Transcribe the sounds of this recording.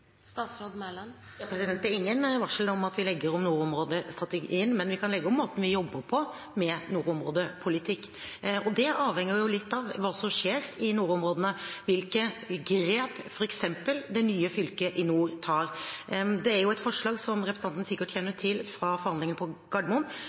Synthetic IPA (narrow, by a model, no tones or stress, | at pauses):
st̪ɑːt̪sɾoːd̪mɛln | jɑpʰɾɛsɪd̪ɛnt̪ːɛɾɪŋːənʋɑʂlɔmɑt̪ʋɪlɛɡːəɾɔmnuːɾɔmɾoːd̪əst̪ɾɑt̪əɡiːənmɛnʋɪkʰɑnlɛɡːəɔmːoːt̪ən̩ʋɪjɔbːəɾpʰɔ | mɛnuːɾɔmɾoːd̪əpʰʊlɪt̪ʰɪkːɔd̪ɛɑːʋhɛŋːəɾjʊlɪt̪ːɑʋʋɑːsɔmʂeːɾɪnuːɾʊmɾoːd̪ənəʋɪlkəɡɾeːpfɔɾɛksɛmpəld̪ɛnyːəfʏlkəʔɪnuːt̪ʰɑːɾd̪ɛæɾjʊɛt̪fɔʂɭɑːɡsɔmɾɛpʰɾs̩ɑnt̪n̩sɪkːəʈʰçɛnːəʈʰɪlfɾɑfɔɾhɑnd̪lɪŋənpʰɔɡ̥ɑɖmʊn